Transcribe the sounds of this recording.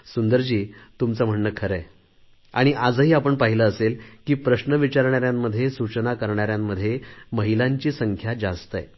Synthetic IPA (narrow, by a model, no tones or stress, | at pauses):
sund̪əɾd͡ʑiːt̪umt͡səm̤əɳːəkʰəɾə | a̰ɽ̃iʔad͡zəɦiːapəɳpaɦiləːselkiːpɾəɕnəʋit͡ɕaɾɳaɾjamːəd̪ʱːjesut͡ɕənakəɾɳaɾjamːəd̪ʱːjeməɦilaɲt͡ɕiːsəŋkʰjad͡zast̪əḛ